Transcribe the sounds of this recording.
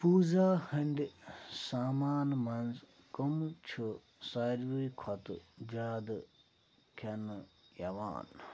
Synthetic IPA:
puːzaːhɐɳɖsaːmaːnmɐnz | komt͡ʃʰu | saːɾʋuikʰɐt̪d͡ʒaːd̪ | kʰɐnjɐʋa̰ːn

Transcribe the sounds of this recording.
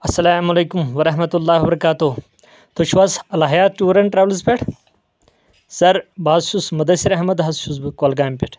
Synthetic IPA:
ɐsːɐlaːmɐlejkumʋɐɾɐɦmɐt̪ulːaːwɐbɐɾɐkaːt̪oː | t̪ʰoʃʰwɐsɐlaɦjaːt̪̚ʈuːɾɐɳʈɾaːʋlzpʲeʈʰ | zɐɾbaːzʃusmɐd̪ɐsiɾɐɦmɐd̪ɦɐzʃusbkoːlɡaːmpeʈʰ

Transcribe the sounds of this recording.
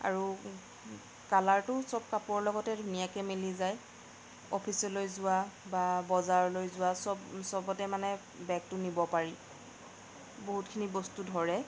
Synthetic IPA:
a̰ɹu | kalaɹtʊsɔb̚kapʊɔɹlɔɡɔtɛdʱunijakɛmilizaj | ɔ̰pʰisɔlojzʊwababɔzaɹlojzʊwasɔbsɔbɔtɛmanɛ | bɛk̚tʊnibɔpaɹi | boɦutkʰinibostudʱɔɹɛ

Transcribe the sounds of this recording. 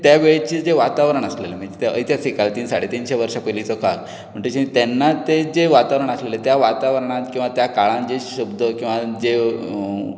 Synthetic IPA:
t̪jaʋeɭet͡ɕiːd͡zeʋat̪aʋɾəɳəslelem̤ad͡ʑet̪eə̰jt̪jasikalt̪iːnsaɽet̪iːnɕeʋəɾʂapəlit͡sɔkal | m̤əɳd͡ʑet͡ɕit̪ɛnːat̪ed͡zeʋat̪aʋɾəɳəslelet̪jaʋat̪aʋəɾəɳ̃at̪kĩw̃ʋat̪jakaɭãnd͡ʑeɕubd̪ʱəkĩw̃ʋad͡ze

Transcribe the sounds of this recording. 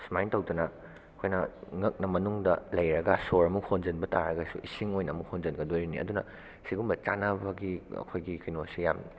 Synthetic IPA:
smajntɐwdɐnɐ | ɐkʰojnɐŋɐk̚nɐmɐnuŋdɐlɐjɾɐɡɐsoɾɐmuhond͡ʒɐnbɐtaɾɐɡɐsṵʔisiŋojnɐːmuhond͡ʒɐnɡɐdojɾinḭʔɐ̰dunɐ | siɡumbɐt͡ʃanabɐɡiɐ̰kʰojɡikɐjnosija̰m

